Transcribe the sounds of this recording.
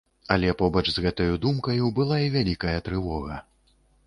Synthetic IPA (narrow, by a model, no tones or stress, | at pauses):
ɐlʲɛpɔbɐt͡ʂzɣɛt̪ɐjud̪umkɐjubɨlˠaivʲalʲikɐjɐt̪ɾɨvɔɣɐ